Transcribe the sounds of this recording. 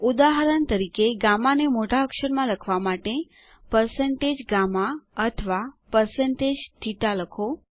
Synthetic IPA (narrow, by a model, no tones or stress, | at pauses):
ud̪aɦəɾənt̪əɾikeɡamanemoʈaəkʃəɾmãləkʰʋamaʈe | pəɾseɳʈed͡ʒɡamaət̪ʰʋapəɾsəɳʈed͡ʒt̪ʰiʈaləkʰo